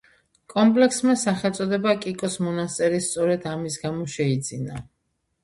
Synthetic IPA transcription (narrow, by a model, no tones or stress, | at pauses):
kʼɔmpʼlɛksmasaχɛlˠt̪sʼɔd̪ɛbakʼikʼɔsmɔnast̪sʼɛɾist̪sʼɔɾɛd̪amisɡamɔʃɛid̪zina